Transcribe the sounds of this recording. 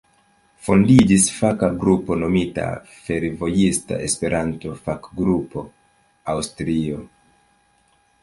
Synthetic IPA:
fo̞ndid͡ʒisfakaɡɾupo̞no̞mita̰ | fe̞ɾvo̞jista̰ʔe̞spe̞ɾʔanto̞fakɡɾupo̞ | awstɾio̞

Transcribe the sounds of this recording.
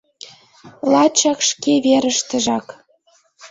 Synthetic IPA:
lˠɑt͡ɕɑkʃkeβeɾə̆ʃt̪ə̆ʒɑk

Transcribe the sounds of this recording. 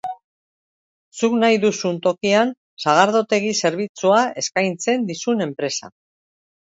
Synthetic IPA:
suknajðusunt̪o̞kian | saɣ̞aɾðo̞t̪e̞ɣise̞ɾβ̞it͡suae̞skajnt͡se̞nd̪isune̞mpɾe̞sa̰

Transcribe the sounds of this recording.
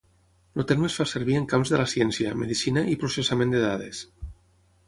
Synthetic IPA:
lot̪elmesfaseɾβieŋkamzðelasjɛnsjamḛðisinaʔipɾosesamẽnd̪eðaðes

